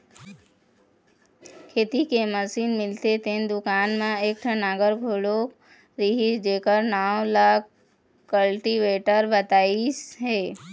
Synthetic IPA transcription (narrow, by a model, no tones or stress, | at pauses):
kʰeːt̪ikeməsiːnmɪlt̪et̪ẽnd̪ʊkaːnmẽeːk̚ʈʰənaːɡəɾɡʱoːlok | ɾiɦid͡ʒeːkəɾnaːlaːk | kːəlʈiʋeːʈəɾbət̪aːisɦɛː